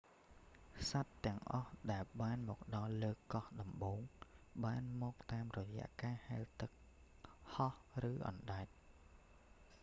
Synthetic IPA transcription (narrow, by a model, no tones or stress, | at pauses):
sat̪ːɛ̆əŋʔɑhɗaɛlɓaːnmɔːk̚ɗɑlləːkɑhɗɑmɓoːŋɓaːnmɔːk̚t̪aːmrɔjɛ̰̆əʔkaːhaɛlt̪ɨk̚ | hɑhrɨːʔɑ̰nɗaɛt̪̚